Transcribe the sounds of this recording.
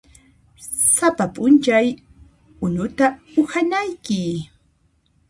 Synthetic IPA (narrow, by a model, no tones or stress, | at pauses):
sapapʼʊnt͡ʃaj | ʊnʊt̪aʊhanajkɪ